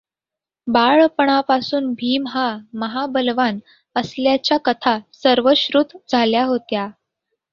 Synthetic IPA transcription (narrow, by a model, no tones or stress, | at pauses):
baɭpəɳ̃apasuːnbʱiːmɦaməɦabəlʋan | əsljat͡ɕjakət̪ʰasəɾʋəɕɾuːt̪d͡zʱaljaɦot̪ja